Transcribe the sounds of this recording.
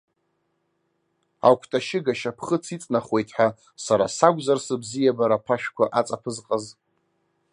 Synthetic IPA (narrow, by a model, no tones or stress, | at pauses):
a̰wkʷʰtʼaʃɪɡaʃapʰχət͡sʰit͡sʼnaχwe̞jtʰʼħʷᶣa | saɾa̰saɡʷʼzarsɨbzijabaɾapʰaʃᶣkʷaʔat͡sʼapʰɨzqʼaz